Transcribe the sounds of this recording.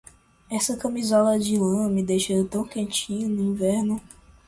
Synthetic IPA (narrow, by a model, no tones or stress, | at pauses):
ɛsɐkɐ̃mizɔlɐd͡ʒɪlɐ̃mid̪ejʃet̪ɐ̃w̃kẽnt͡ʃĩɲɐnʊĩvɛɾnʊ